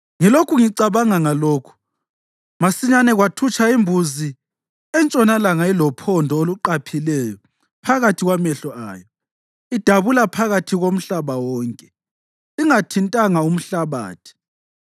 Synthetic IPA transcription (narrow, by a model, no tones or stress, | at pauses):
ŋilokʰuŋiǀaβaŋaŋaloːkʰu̥ | masiɲanɛɣwatʰut͡ʃʰaimbʱuzi | ɛnt͡ʃʼɔnalaŋailɔpʰɔndʱɔoluǃapʰilɛːjɔ | pʰaɣatʰiɣwamɛɬɔʔa̰ːjɔ | id̥ʱaβulapʰaɣatʰiɣom̩ɬaβawɔːŋkʼɛ | iŋatʰintʼaŋaum̩ɬaβa̰ːtʰi̥